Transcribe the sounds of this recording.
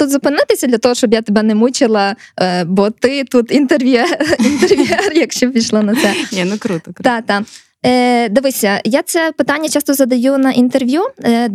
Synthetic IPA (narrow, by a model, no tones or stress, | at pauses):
t̪ut̪zʊpɪnɪt̪ɪsʲɐd̪lʲɐt̪ɔɦɔʃt͡ʃɔbjat̪ebɛnɛmut͡ʃɪlˠɐbɔt̪ɪt̪ut̪int̪erʋʲɛint̪erʋʲɛrjɐkʃt͡ʃɔpʲijʃlˠɔnɐt̪sɛnʲnʊkɾut̪ɔt̪ɑt̪ɑ | d̪ɪʋɪsʲɐjasɛpɪt̪ɑnʲːɐt͡ʃɑst̪ɔzɐd̪ɐjunɐʔint̪erʋʲju